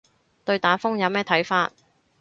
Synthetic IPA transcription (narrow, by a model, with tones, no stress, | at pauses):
t̪ɵ˧ɥt̪aː˨˥nfʊ˥ŋjɐ˨˧wmɛː˥t̪ʰɐ˨˥jfaː˧t̚